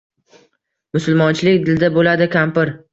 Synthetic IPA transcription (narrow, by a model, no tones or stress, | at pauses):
mʊsʊlmɒnt͡ʃʰɪlɪkʲd̪ɪld̪abolad̪ɪkʲʰampɪɾ